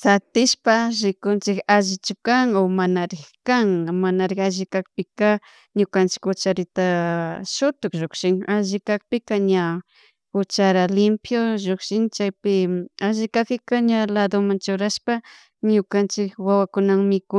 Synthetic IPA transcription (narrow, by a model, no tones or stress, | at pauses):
sat̪ɪʃpaɾɪkʊnt͡ʃɪkaʒɪt͡ʃʊkaŋomanaɾɪxkaŋmanaɾɪxaʒɪkak̚pɪka | ɲʊkant͡ʃɪ̥kʊt͡ʃaɾɪt̪aʃʊt̪ʊkʒokʃɪŋaʒɪkak̚pɪkaɲa | ʊt͡ʃaɾalɪmpjoʒokʃɪŋt͡ʃajpɪaʒɪkakɪkaɲalad̪omaŋt͡ʃʊɾaʃpa | ɲʊkant͡ʃɪkwawakʊnaŋmɪkʊ